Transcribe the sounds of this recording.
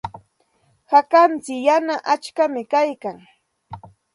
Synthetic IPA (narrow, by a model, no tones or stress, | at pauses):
hakant͡sɪjanaʔat͡ʃkamɪkajkaŋ